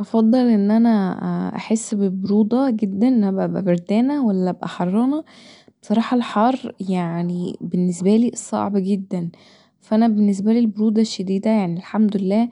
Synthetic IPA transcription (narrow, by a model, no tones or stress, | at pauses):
ʔɑfɑd̪ˤːɑlʔenːʔænæʔa̰ħesːbeboɾuːd̪ˤɑɡed̪ːænʔnææbʔæbʔæ̰beɾd̪æːnæwælːæʔæbʔæħɑrˤːɑnɑ | be̥sˤɑɾˤɑːħɑlħɑːrˤːjaʕnibenːesbæliːsˤɑ̰ʕbɡed̪ːæn | fæʔænæbenːes̬bæliːlboɾuːd̪ˤɑʃːæd̪iːd̪æjaʕnilħamd̪olelːæː